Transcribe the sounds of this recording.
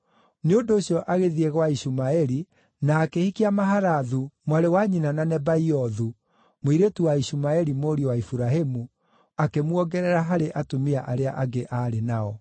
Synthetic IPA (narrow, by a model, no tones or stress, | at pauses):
neondoːɕjɔʔaɣeðiɛɣwaisumaɛɾi | naːkehikiamaɦaɾaðumwaɾewaɲinananɛbaiɔðu | moiɾetuwaiɕumaɛɾimoːɾiɔwaifuɾaɦemu | akemwɔɡɛɾɛɾaɦaɾeʔatomiaʔaɾeaʔaɡeʔaɾenaɔ